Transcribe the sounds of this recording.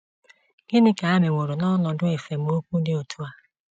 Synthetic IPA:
ɡ̥ɪ˦nɪ˦ka˨a˦me˨ŋʷo˨ɾu˨nɔ˦lɔ˨dʊ˦e˨fe˨m̩˨˦o˦kʷu˦dɪ˦o˨tʰu˦a˨

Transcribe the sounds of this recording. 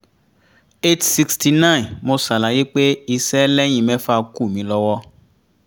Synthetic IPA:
e˦tsi˧kstʰi˧nã˦˨nmo˧sa˨la˨˦je˦k͡pe˦i˧sɛ˦lɛ˦j̃ĩ˦˨mɛ̃˦fa˦˧ku˦˨mĩ˨˦lɔ˧wɔ˦

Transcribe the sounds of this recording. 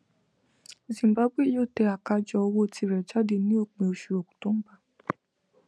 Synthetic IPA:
o˨zĩ˨m̩˨ba˦bʷe˦˨jo˦˨tɛ˧a˨ka˧˦d͡ʒɔ˧o˧wo˦tʰi˧˨ɾɛ˨d͡ʒa˦de˧˨nĩ˦o˦˨k͡pẽ˨o˧ʃu˨ɾo˨ku̥˨tõ˨˦m̩˦ɡ͡ba˦˨

